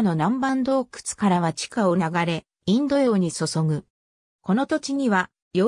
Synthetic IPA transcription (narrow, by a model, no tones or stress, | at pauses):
no̞nãmbãnd̪o̞ːkɯ̥t͡sɨ̥kaɾaβat͡ɕi̥kao̞naɡaɾe̞ | ĩnd̪o̞jo̞ːɲ̟isoso̞ɡɯ̟ | ko̞no̞t̪o̞t͡ɕiɲ̟iβa | jo